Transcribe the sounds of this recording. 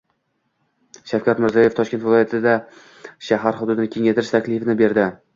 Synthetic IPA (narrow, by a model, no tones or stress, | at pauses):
ʃafkʲat̪mɪɾzijɒjeft̪ʰɒʃkʲe̞nt̪vɪlˠɒjat̪ʰɪd̪a | ʃaɦaɾhʊd̪ʊd̪ɪnɪkʲʰe̞ŋat̪ʰɪɾɪʃt̪ʰakʲlɪfɪnɪbe̞ɾd̪ɪ